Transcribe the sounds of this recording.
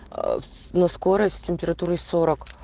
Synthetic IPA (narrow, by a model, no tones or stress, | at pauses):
nɐskoɾətʲsʲtʲɪmʲpʲɪɾɐt̪uɾɨso̞ɾək